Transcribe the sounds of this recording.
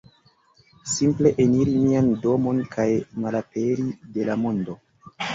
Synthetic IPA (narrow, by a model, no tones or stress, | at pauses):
simple̞ʔeniɾimiando̞mo̞nkʰajmalape̞ɾide̞lamondo̞